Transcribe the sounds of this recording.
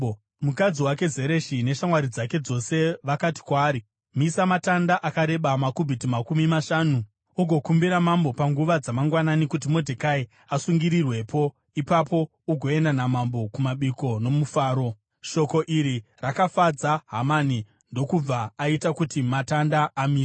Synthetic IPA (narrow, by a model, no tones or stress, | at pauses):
mukad͡ziwake̞ze̞ɾe̞ʃine̞ʃamwaɾid͡zake̞d͡zo̞se̞ʋakati̥kwaːɾi | misamatandaʔakaɾe̞ɓamakubʱitimakumimaʃaːnu | uɡʱo̞kumbiɾamambo̞paŋɡuʋad͡zamaŋɡwananikut̬imo̞dʱekai | asuŋɡiɾirwe̞po̞ | ipapo̞ | uɡʱo̞e̞ndanamambo̞kumaɓiko̞no̞mufaːɾo̞ | ʃo̞ko̞ʔiɾirakafad͡zaɦamani | ndo̞kub͡vaːitakutimatandaːmiːre